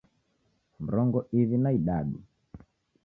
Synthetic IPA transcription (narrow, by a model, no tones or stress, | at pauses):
m̩ɾɔŋɡɔʔiðinaiɗaɗu